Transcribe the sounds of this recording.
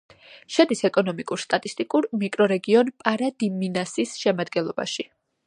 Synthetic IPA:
ʃad̪isɛkʼɔnɔmikʼuɾst̪ʼat̪ʼist̪ʼikʼuɾmikʼɾɔɾɛɡiɔnpʼaɾad̪iminasisʃɛmad̪ɡɛnlˠɔba̰ʃi

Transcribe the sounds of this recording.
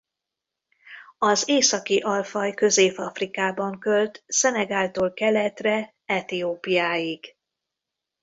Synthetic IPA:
ɒzeːsɒkiʔɒlfɒjkø̞zeːfɒfrikaːbɒŋkølt̪sɛnɛɡaːlt̪oːlkɛlɛt̪rɛ | ɛt̪ioːpijaːjiɡ̥

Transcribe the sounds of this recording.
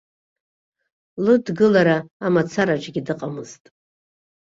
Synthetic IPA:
lɨdɡɨlaɾaːmat͡sʰaɾat͡ʃʼɡʲidɨqʼamɨztʼ

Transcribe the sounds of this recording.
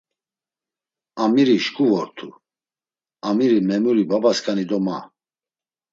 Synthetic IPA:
amiɾiʃkʰʼuvɔɾt̪ʰu | amiɾimɛmuɾibabaskʰʼanid̪ɔma

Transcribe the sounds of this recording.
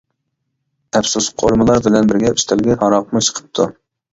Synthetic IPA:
ɛpsusqʰoɾmɨlˠɑɾbɪlɛnbɪɾɡʲɛyst̪ʰɛlɡʲɛhɑɾɑq̚mut͡ʃʰə̥qʰə̥p̚t̪ʰu

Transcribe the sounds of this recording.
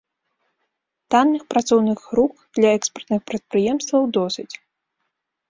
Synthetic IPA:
t̪anːɨxpɾat̪sɔwnɨɣːɾukd̪̥lʲɐɛkspɐrt̪nɨxpɾɐt̪̚pɾɨjɛmst̪vɐwd̪ɔsʲɨt͡sʲ

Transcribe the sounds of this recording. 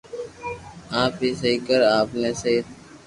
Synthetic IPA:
aːpɦiːsəɦikəɾaːpnẽːsəit̪

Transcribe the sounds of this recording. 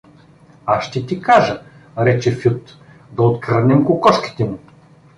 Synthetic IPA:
aʃt̪ɛt̪ikaʒə | ɾɛt͡ʃɛfut̪ | d̪ɐot̪kɐɾnɛmkokɔʃki̥t̪ɛmʊ

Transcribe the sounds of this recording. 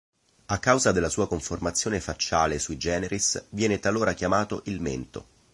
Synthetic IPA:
akːawzad̪elːasuːakoɱformat̪sːjoːnefat͡ʃːaːlesuid͡ʒɛːneɾisvjɛːnet̪aloːɾakjamaːt̪oʔilmḛnt̪o̰

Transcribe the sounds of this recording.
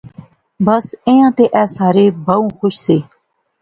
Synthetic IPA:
bəsẽːjãːt̪eːʔɛːsaːɾeːbʱəːũːxʊʃseː

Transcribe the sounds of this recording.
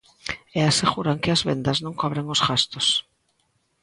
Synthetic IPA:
easeɣuɾaŋkɪazβend̪aznõŋkoβɾeŋosɣast̪os

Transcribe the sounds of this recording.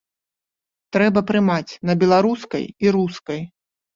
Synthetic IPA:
t̪ɾɛbɐpɾɨmat͡sʲnɐbʲɛlˠaɾuskɐ̰jiɾuskɐj

